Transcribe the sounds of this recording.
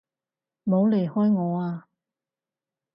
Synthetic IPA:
mo˨˧wle˨˩jhɔː˥jŋɔː˨˧aː˧

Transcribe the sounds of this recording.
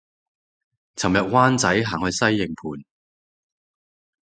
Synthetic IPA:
t͡sʰɐ˨˩mjɐ˨t̚waː˥nt͡sɐ˨˥jɦaː˨˩ŋhɵ˧ɥsɐ˥jːɪ˨˩ŋpʰuː˨n

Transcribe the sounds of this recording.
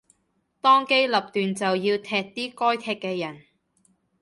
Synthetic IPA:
t̪ɔː˥ŋke˥jlɐ˨p̚t̪yː˨nt͡sɐ˨wjiː˧wt̪ʰɛː˧k̚t̪iː˥kɔː˥jt̪ʰɛː˧k̚kːɛː˧jɐ˨˩n

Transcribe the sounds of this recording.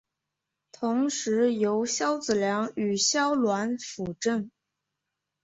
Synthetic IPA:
t̪ʰʊ˧˥ŋʂɻ̩˧˥jo˧˥ʊɕjɑ˥ʊt͡sɹ̩˨˩ljɑ˧˥ŋy˨˩ɕjɑ˥ʊlwa˧˥nfu˨˩ʈ͡ʂə˥˩n

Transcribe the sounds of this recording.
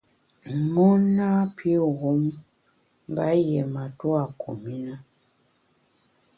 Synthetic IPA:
ŋɔ˦na˦pʰi˦ɣu˨˦m˦ | ba˦jɛ˨ma˨tu˦a˨kʰo˨mi˦na˦

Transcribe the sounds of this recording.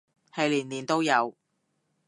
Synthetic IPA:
hɐ˨jliː˨˩nliː˨˩nt̪o˥wjɐ˨˧w

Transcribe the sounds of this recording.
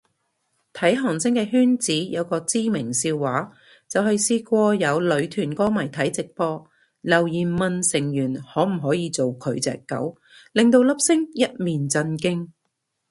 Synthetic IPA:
t̪ʰɐ˨˥jɦɔː˨˩ŋsɪ˥ŋkɛː˧ɦyː˥nt͡siː˨˥jɐ˨˧wkɔː˧t͡siː˥mɪ˨˩ŋsiː˧wːaː˨˥ | t͡sɐ˨whɐ˨jsiː˧kʷɔː˧jɐ˨˧wlɵ˨˧ɥt̪ʰyː˨˩nkɔː˥mɐ˨˩jt̪ʰɐ˨˥jt͡sɪ˨k̚pɔː˧ | lɐ˨˩wjiː˨˩mɐ˨nsɪ˨˩ŋjyː˨˩nhɔː˨˥m̩˨˩ɦɔː˨˥jiː˧t͡so˨wkʰɵ˨˧ɥt͡sɛ̰ː˨kːɐ̰˨˥w | lɪ˨˩ŋt̪o˧wlɐ˥p̚sɪ˥ŋjɐ˥t̚miː˨nt͡sɐ˧nkɪ˥ŋ

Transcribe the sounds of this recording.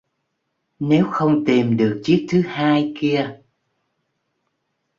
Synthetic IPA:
ne˨˦wxə˧wŋ͡mt̪i˨˩mɗɨ˨˩ək̚t͡ɕɨ˦˥ək̚t̪ʰɨ˨˦haː˧jki˧ə

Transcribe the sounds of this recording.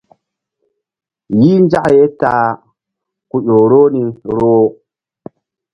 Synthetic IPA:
jiː˦nd͡ʒa˦ʔje˦ta˨ | ku˨ɗo˨ɾo˦ni˨ɾo˦

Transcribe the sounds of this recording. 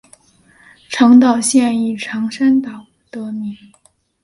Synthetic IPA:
ʈ͡ʂʰɤ˧˥ŋt̪ɑ˨˩ʊɕjɛ˥˧ni˥˩ʈ͡ʂʰɑ˧˥ŋʂa˥nt̪ɑ˨˩ʊ | t̪ɤ˧˥mi˧˩˥

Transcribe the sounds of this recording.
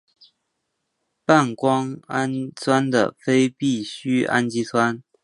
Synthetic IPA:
pa˥˩˨nkwɑ˥ŋa˦˥nt͡sʰwa˥nd̪ə̰˨˩fe˥ɪpi˥˩ɕy˥a̰˦˥nt͡ɕi˥t͡sʰwa˦n

